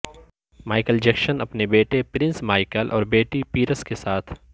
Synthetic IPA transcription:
maːɪkəld͡ʒɛkʃənɐpnebeːʈepɾɪ̃nsmaːɪkəlʔɔ̰ːɾbeːʈipiːɾəskesaːt̪ʰ

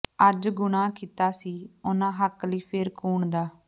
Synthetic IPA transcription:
əd͡ʒɡʊɳãːkiːt̪aːsiːʊnãːɦəkliːpʰɪɾkuːɳd̪aː

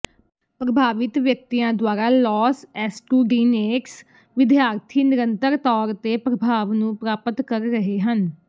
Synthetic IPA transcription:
pɾəbʱaːʋɪt̪ʋjək̚t̪ijãːd̪waːɾaːlɔːsɛːsʈuːɖiːneːks | ʋɪd̪jaːɾt̪ʰiːnɪɾənt̪əɾt̪ɔːɾt̪eːpɾəbʱaːʋnũːpɾaːpət̪kəɾːəɦeːɦən

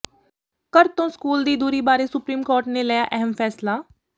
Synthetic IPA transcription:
kəɾt̪õːskuːld̪iːd̪uːɾiːbaːɾeːsʊpɾiːmkoːɾʈneːləjaːʔɛɦəmpʰɛːslaː

